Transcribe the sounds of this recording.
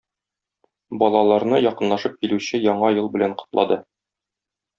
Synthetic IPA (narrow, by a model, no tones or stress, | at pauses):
bɒlˠɑlˠɑɾnɤjɒqɤ̆nlˠɑʃɤp̚kilʉɕɘjɒɴɑjɤlˠbɘ̆læɴqŏ̥t̪lˠɑ̰d̪ɤ